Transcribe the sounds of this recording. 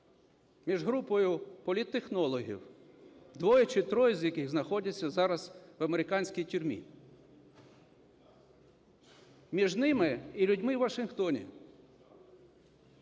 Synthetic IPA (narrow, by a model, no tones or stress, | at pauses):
mʲiʒɦɾupɔjʊpɔlʲit̪ːexnɔlˠɔɦʲḭw | d̪ʋɔjɐt͡ʃɪt̪ɾɔjzʲjɐkɪɣznɐxɔdʲɐt͡sʲːɐzɑɾɐzʋɐmeɾɪkɑnʲsʲkʲijtʲʊɾʲmʲḭ | mʲiʒnɪmɪilʲʊdʲmɪwʋɐʃɪnxt̪ɔnʲḭ